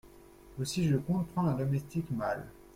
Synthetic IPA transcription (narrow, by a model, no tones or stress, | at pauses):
osiʒəkɔ̃p̪χɑ̃ɛ̃d̪ɔmɛst̪ikmal